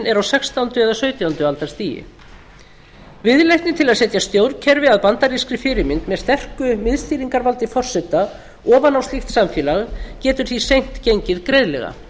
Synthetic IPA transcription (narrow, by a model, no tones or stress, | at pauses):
nɛɾawsɛkst̪awnt̪ʏɛðasœːɥt̪jawnt̪ʏalt̪aɾst̪iːjɪ̰ | vɪðlejht̪nɪt̪ʰɪlaðsɛt̪jast̪jowɾcʰɛɾvɪaðpant̪aɾiskɾɪfɪɾɪmɪnt̪mɛðst̪ɛr̥kʏmɪðst̪iːɾiŋkaɾvalt̪ɪfɔr̥sɛt̪ːa | ɔːvanawst̪lixt̪samfjɛːlaɣcɛːt̪ʏɾ̥θisejn̥t̪cejɲcɪðkɾejðlɛ̰ɣa̰